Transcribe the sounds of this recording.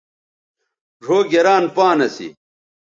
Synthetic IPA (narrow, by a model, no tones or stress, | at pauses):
ʐʱoːɡeɾaːnpaːnɐsḭ